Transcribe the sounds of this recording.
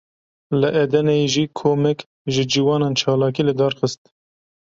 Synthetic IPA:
lɨʔɛd̪ɛnɛjeʒiːkʰoːmɛk | ʒɨd͡ʒiwɑːnɑːnt͡ʃʰɑːlɑːkiːlɨd̪ɑːɾxəst̪

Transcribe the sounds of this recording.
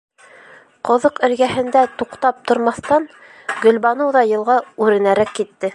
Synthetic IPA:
qŏðɤqɘ̆ɾɡæɦɘ̆nd̪æt̪uqt̪ɑp̚t̪ŏɾmɑθt̪ɑn | ɡɵ̆lbɑnɤwðɑjɤ̆lˠʁɑʉɾɘ̆næɾækːit̪ːɘ

